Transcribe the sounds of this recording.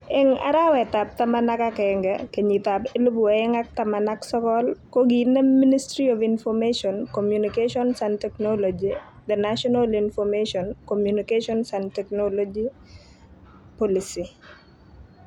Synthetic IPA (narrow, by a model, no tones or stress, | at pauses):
ɪŋa̰ɾawɛt̪ap̚t̪amanakakɛŋɡɛkeɲit̪apelubuaɛŋak̚tamanaksɔkɔlkoɡinɛministɾiɔvinfɔmeʃɔnkomjunikeʃɔnsantɛknolod͡ʒid̪ɛnaʃɔnalinfɔmeʃɔnkomjunikeʃɔnsantɛknolod͡ʒi | pɔlisi